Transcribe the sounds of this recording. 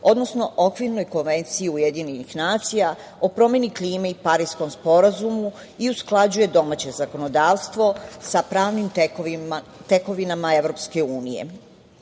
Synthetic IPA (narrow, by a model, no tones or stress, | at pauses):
o̞d̪no̞sno̞ʔokʋiɾno̞jko̞nʋe̞nt̪siiujed̪iɲenixnaːt̪sija | o̞pɾo̞mje̞nikliːmeipaɾiːsko̞mspo̞ɾazumu | iusklˠad͡ʑuje̞d̪o̞maːt͡ɕe̞zako̞no̞d̪aːʋst̪ʋo̞sapɾaːʋnim | t̪e̞ko̞ʋinamae̞ʋɾo̞pske̞uːnije̞̰